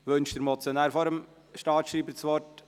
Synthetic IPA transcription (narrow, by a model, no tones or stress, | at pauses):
ʋønʃd̥əɾmɔt͡sjɔnæːɾfɔɾəm | ʃtɑːʃɾiːbəsʋɔɾt